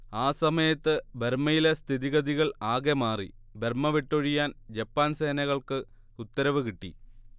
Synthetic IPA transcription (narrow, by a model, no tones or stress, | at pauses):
aːsɐmɐjɐt̪ːɨbermɐjile̞st̪ʰiðiɣɐðiɣɐɭaːɣe̞maːri | be̞rmɐʋiʈːoɻijaːnd͡ʑɐpːaːnse̞ːnɐɣɐɭkɨ | ut̪ːɐɾɐʋɨkiʈːi